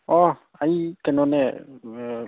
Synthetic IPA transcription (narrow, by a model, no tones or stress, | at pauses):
ɔ | aikɛnɔnɛ